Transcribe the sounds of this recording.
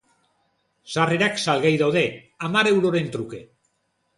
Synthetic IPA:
sareɾaksalɣajðawðe̞ | amaɾe̞wɾo̞ɾe̞nt̪ɾuke̞

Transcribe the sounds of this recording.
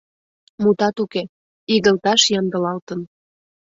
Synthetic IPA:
mut̪ɑt̪uke | iɣə̆lt̪ɑʃjɑnd̪ə̆lɑlt̪ən

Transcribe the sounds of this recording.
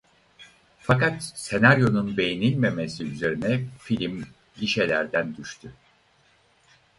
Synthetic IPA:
fakat̪se̞naɾjo̞nunbe̞jinilʲme̞mesiyze̞ɾinɛfilʲim | ɟiʃelʲæɾd̪ænd̪yʃt̪ʰy

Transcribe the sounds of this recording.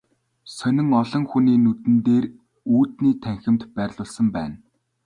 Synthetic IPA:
sœnʲɪ̆ŋɔɮɞ̆ŋxuniːnut̪ɘ̆nt̪eːr | uːt̪niːt̪ʰæŋxɘ̆mt̪pæːrʲɮʊːɮsə̆mpæːn

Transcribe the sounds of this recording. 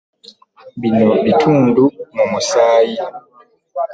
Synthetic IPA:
binɔbitʰundumɔmusaːji

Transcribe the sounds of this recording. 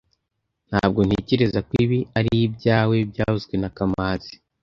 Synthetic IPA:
n̥ha̰ːb̚ɡo̞n̥heceɾezakwiβiaɾijib̚ɟaːwe̞bɟaːhuzɡwe̞nakamaːzi̥

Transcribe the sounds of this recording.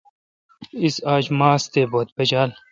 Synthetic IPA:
isaːd͡ʑmaːst̪eːboːt̪̚bɐd͡ʑaːl

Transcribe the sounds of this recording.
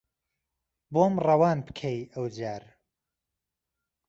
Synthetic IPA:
bomrɐwɑːnbɨkʰejəwd͡ʒaːɾ

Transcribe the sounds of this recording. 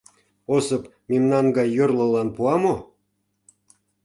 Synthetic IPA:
osə̆p | memnɑnɡɑjːorlɤ̆lɑnpuɑmo

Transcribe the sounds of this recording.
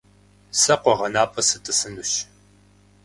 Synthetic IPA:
sɐqʷɔʁɐnaːpʼɐsɨtʼɨsɨnuɕ

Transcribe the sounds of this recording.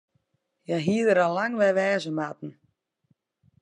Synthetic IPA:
jaɦiːəðəɾalaŋʋɛʋɛːzəmat̪n̩

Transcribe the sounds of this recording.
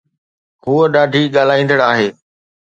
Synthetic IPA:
huəɗaːɖʱiːɠaːl̤aːĩːnd̪əɽaːɦeː

